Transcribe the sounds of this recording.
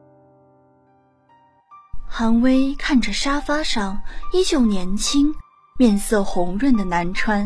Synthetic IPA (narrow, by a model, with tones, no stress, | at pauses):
xa˧˥ŋwe˥ɪkʰa˥˩nʈ͡ʂə˩ʂa˥fa˥ʂɑ˥˩ŋi˥t͡ɕjo˥˩ʊnjɛ˧˥nt͡ɕʰi˥ŋ | mjɛ˥˧nsɤ˥˩xʊ˧˥ŋɻə˥˩nd̪ə˩na˧˥nʈ͡ʂʰwa˥n